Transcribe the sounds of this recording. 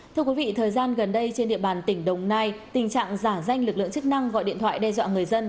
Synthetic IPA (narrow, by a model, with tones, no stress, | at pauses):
t̪ʰɨ˧əkwi˨˦vḭ˧˨t̪ʰəː˨˩jzaː˧nɣə˨˩nɗə˧jt͡ɕe˧nɗḭ˧˨əɓaː˨˩nt̪ï˧˩ŋ̟ɗə˨˩wŋ͡mnaː˧jt̪ï˨˩ŋ̟t͡ɕa̰ː˧˨ŋzaː˧˩za˧jŋ̟lɨ˨˩k̚lɨ̰˧˨ə˨ŋt͡ɕɨ˦˥k̚na˧ŋɣɔ̰˧˨jɗḭ˧˨t̪ʰw̰aː˧˨jɗɛ˧zwa̰ː˧˨ŋɨ˨˩əjzə˧n